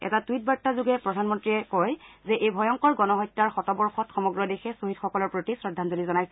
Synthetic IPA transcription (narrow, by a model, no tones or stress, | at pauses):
ɛ̰tatuit̚baɹtːazuɡɛpɹɔdʱanmɔntɹiɛkɔjzɛʔejbʱɔjɔŋkɔɹɡɔnɔɦɔjtːaɹxɔtɔbɔɹxɔtxɔmɔɡɹɔdexɛsoɦitxɔkɔlɔɹpɹotisɹɔdʱːanzolizɔnajsɛ